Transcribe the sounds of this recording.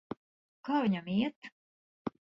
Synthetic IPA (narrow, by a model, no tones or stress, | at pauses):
kaːviɲamiɛt̪